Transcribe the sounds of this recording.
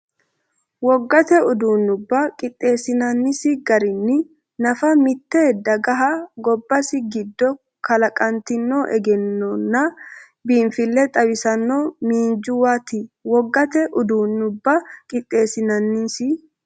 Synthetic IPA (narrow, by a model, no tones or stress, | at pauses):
wɔɡːɐt̪ɛʊd̪uːnːʊbːɐkʼɪt̪ʼːe̞ːsɪnɐnːɪsɪɡɐɾɪnːɪ | nɐfɐmɪt̪ːeːd̪ɐɡɐɦɐɡɔbːɐsɪɡɪd̪ːɔ | kʰɐlɐkʼɐnt̪ɪnːoːʔɛɡɛnːɔnːɐ | biːnfɪlːɛt̪ʼɐwɪsɐnːoːmiːnd͡ʒʊwat̪ɪwɔɡːɐt̪ɛʔʊd̪uːnːʊbːɐkʼɪt̪ʼːe̞ːsɪnɐnːisɪ